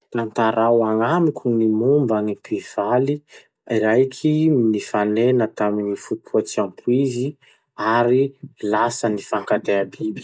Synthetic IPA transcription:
nant̪aɾawaŋamikʰʲunimumbanipiv̥ali | iɾajkʲʰinifanenət̪aminifut̪ʰuat͡siampʰuizi | aɾilasənifaŋkat̪eabibi̥

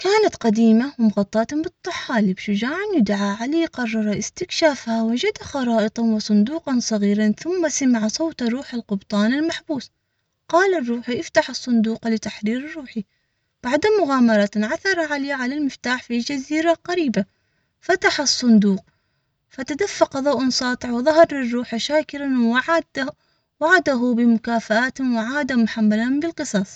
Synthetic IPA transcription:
kaːnat̪qɑd̪iːmawɪmʊɣɑt̪ˤːɑːt̪hʊbɨt̪ˤːɑħaːlibʃʊd͡ʒaːʕanjʊd̪ʕaʕaleːqɑrˤːɑɾˤɑʔɪst̪ɪkʃaːfhawad͡ʒad̪axɑɾˤɑːʔɨt̪ˤɑnwɪsˤʊnd̪uːqɑnsˤɑɣiːɾanθʊmːasamaʕasˤɑwt̪ɑɾˤuːħɪlqʊbt̪ˤɑːnɪlmaħbuːs | qɑːlarˤːuːħiʔɪft̪aħɑsˤːʊnd̪uːqlɪt̪aħɾiːɾɪrːuːħi | b̥aʕd̪mʊɣaːmɑɾˤɑʕaθɑɾˤɑʕaleːʕalalmɪft̪aːħfild͡ʒaziːɾaqɑɾiːba | fat̪aħɑsˤːʊnd̪uːq̚ | fat̪ad̪afːaqɑðˤɑwʔansˤɑːt̪ˤɨʕwɪðˤɑɦɑɾˤɪrːuːħʃaːkɪɾan | waʕad̪aɦʊbɪmʊkaːfaʔaːt̪wɪʕaːd̪amʊħamːalambɪlqɨsˤɑsˤ

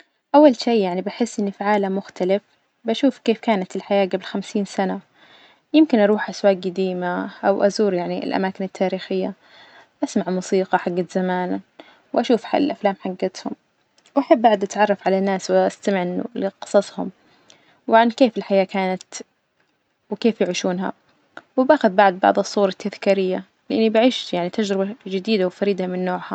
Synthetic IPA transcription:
ʔawːalʃeːjaʕnibaħɪsːʔɪnːifiʕaːlamːʊxt̪alɪf | baʃuːfkeːfkaːnat̪ɪlħajaːɡablxamsiːnsana | jɪmkɪnʔɑɾˤuːħʔaswaːk̚ɡad̪iːmaʔawʔazuːɾjaʕniɪ̰lʔa̰maːkɪnɪt̪ʰːaːɾiːxɪjːa | ʔasmaʕmuːsiːqɑħaɡːat̪z̥amaːn | wʔaʃuːfħa̰lʔaflaːmħaɡːat̪hʊm | wʔaħabːaʕd̪ʔat̪ʕɑrˤːɑfʕalanːaːswʔast̪amɪʕnlɪqɨ̥sˤɑsˤhʊ̰m | wɪʕankeːfɪlħajaːkaːnat̪ | wɪkeːfjʊʕiːʃuːnɦa̰ | wɪbaːxʊðbaʕd̪̚ˤbɑ̰ʕðˤɨsˤːuːɾˤɑt̪ːaðkiːɾɪjːa | lɪʔɪnːibaʕiːʃjaʕnit̪ad͡ʒɾɪbad͡ʒɪd̪iːd̪awfaɾiːd̪amɪnːoːʕha

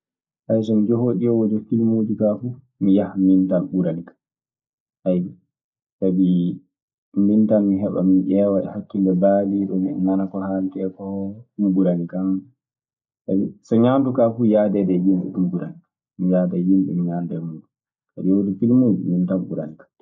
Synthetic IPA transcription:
ʔajs̬ɔmid͡ʒohoːɗijɔwod͡ʒɛfilmod͡ʒikafu | mijahmintanɓuɾanikḁ | haji | tabi | mintanmiɦɛɓa̰minʔɛːwaɛ̰hakːilːɛbaliɗɔmḭɲanakɔhaltɛkɔɗumɡuɾanikam | tabisɔɲantukafujadɛdɛjimɓɛ̰ɗumɡuɾani | mijaːdɛjimɗɛ̰miɲandɛmuːɗu | tabijwod͡ʒɛfilmod͡ʒḭmintanɓṵɾa̰nikḁ

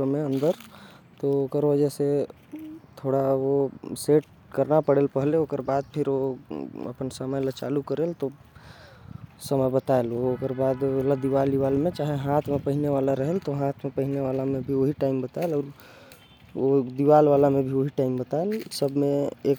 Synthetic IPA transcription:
meə̃nd̪əɾ | t̪ookəɾʋəd͡ʒɛse | t̪ʰoɽaoseʈ̚ | kəɾnapəɽelpəɦleokəɾbad̪̚pʰiɾoə̰pənsəməjlət͡ʃa̰lukəɾelt̪o | səməjbət̪aelookəɾbad̪elad̪iʋaliʋalmẽt͡ʃaɦeɦat̪ʰmepəɦineʋalaɾəɦelt̪oɦãt̪ʰmepəɦineʋalamebʱioɦiʈaimbət̪aelɔːɾ | od̪iʋalʋalamebʱioɦiʈaimbət̪aelsəbmeek

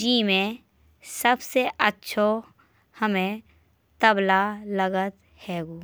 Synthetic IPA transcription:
d͡ʒiːmẽ | səbseʔətːʃʰo | həmẽ | t̪əblaləɡət̪ | hɛːɡuː

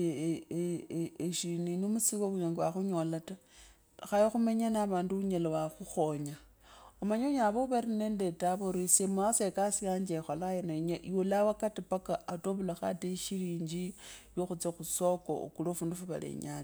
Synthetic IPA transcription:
eʃininomusiwoβuɲeŋɡwaxuɲolata | xajexumeɲanaβaːnduuɲelawaxuxoɲa | omaɲoɲaβoβaɾinendetaβoɾisemuasekasiaɲd͡ʒexolajenoɲajulawakatipakaːtoβulaxateʃiliːɲd͡ʒiβjoxut͡sexusoko̰kulofuːndufuβa̰lḛɲal

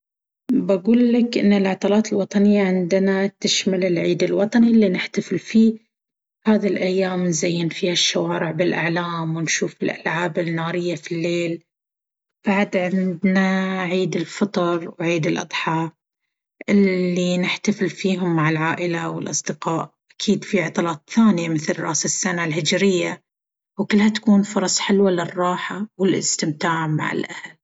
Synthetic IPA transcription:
baɡuːlːakʔɪ̰nːalʕɑt̪ˤɑːlɑːt̪ɪlwɑt̪ˤɑnɪjːaʕɪnd̪nat̪ɪʃmalɪlʕiːd̪ɪlwɑt̪ˤɑnilːinɪħt̪afɪlfiː | haːðilʔajːaːmnzajːɪnfiːhaʃːawaːɾɪʕbɪlʔa̰ʕlaːmwɪnʃuːfɪlʔa̰lʕaːbɪnːaːɾɪjːafilːeːl | b̥aʕd̪ʕɪnd̪naʕiːd̪ɪlfɑt̪ˤɑɾˤwʕiːd̪ɪlʔɑ̰d̪ˤħɑː | ʔɪlːinɪħt̪afɪlfiːɦʊmːaʕɪlʕaːʔɪlawɪlʔɑsˤd̪ɪqɑːʔ | ʔakʰiːd̪fiʕɑt̪ˤlɑːt̪ˤθaːnɪjamɪθlrˤɑ̰ːsasːanalhɪd͡ʒɾɪjːa | wkʊlːhat̪ḁkuːnfʊɾˤɑsˤħɪlwalɪrˤːɑːħawɪlʔɪ̰st̪ɪmt̪aːʕma̰ʕɪ̰lʔahal

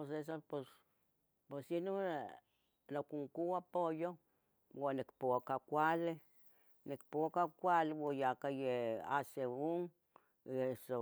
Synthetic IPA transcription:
oses̬apos | pesjinu | lokuŋkuapojo | wonekpokakʷale | nekpokakʷalwojakajea̰seuŋ | eso

